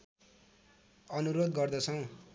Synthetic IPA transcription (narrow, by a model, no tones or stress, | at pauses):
ʌnuɾod̪ɡʌrd̪ʌt͡sʰʌw̃